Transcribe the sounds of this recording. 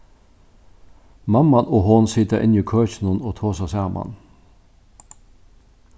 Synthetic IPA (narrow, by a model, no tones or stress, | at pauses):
mɑmɑnʔoːhonsɪt̪əʔɪ̰niːkʰøːçnʊnoːt̪ʰoːsəsæːʁmʔɑ̰n